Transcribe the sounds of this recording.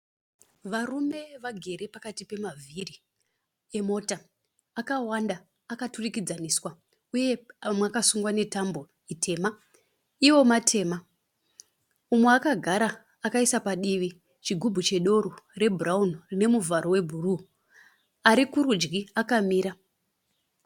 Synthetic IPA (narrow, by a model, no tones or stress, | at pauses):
ʋarume̞ʋaɡʱe̞ɾe̞pakatipe̞mavʱiri | emo̞ta | akawandaː | katurikid͡zaniswa | uje̞mwakasuŋɡwane̞tambo̞ | itʰe̞ːma | iwo̞matʰe̞ːma | umweakaɡʱaɾaː | kaisapaɗiʋi | t͡ʃiɡʱubʱut͡ʃe̞ɗo̞ɾore̞bʱuraunrine̞muvaɾo̞we̞bʱuru | aɾikuɾud͡ʒɡiakamiːɾa